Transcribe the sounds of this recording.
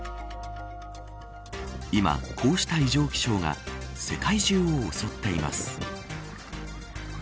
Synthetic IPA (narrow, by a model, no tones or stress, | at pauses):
ima̰kʰo̞ːɕi̥t̪aiʑo̞ːkʲi̥ɕo̞ːŋa̰se̞kaiʑɨːoːso̞t̪ːe̞ima̰sɨ̥